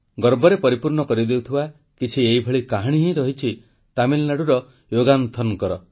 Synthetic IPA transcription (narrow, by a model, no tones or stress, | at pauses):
ɡɔɾbɔɾepɔɾipuɾɳɔkɔɾid̪ewt̪ʰiba | kit͡ʃʰieibʱɔɭikaɦaɽ̃iɦĩɾɔɦit͡ʃʰi | t̪amilnaɽuɾɔ | joɡant̪ʰɔnkɔɾɔ